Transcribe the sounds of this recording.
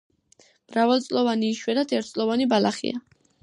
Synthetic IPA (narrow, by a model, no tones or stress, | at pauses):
mɾavalt̪sʼlɔvaniːʃwɛɾat̪ʰɛɾt̪ʰtsʼlɔvanibalaχḭa